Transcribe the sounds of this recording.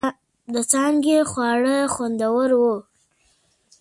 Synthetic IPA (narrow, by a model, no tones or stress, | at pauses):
d̪ət͡sɑŋɡexwɑɽəxwand̪awəɾwu